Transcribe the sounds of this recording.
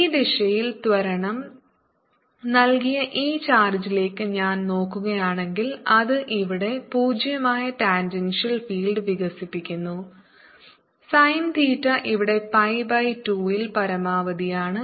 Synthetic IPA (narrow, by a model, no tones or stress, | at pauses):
iːd̪iʂɐjilt̪ʋɐɾɐɳɐm | nɐlkijɐʔiːt͡ɕaːrd͡ʑile̞ːkːɨɲaːnno̞ːkːuɣɐjaːɳe̞ŋɡilɐðɨʔiʋiɽe̞puːd͡ʑjɐmaːjɐʈaːnd͡ʑɐnʂɐlfiːlɖɨʋiɣɐsipːikʲːunːu | sɐjnd̪iːtːɐʔiʋiɽe̞pɐjbɐjtuːilpɐɾɐmaːʋɐðijaːɳɨ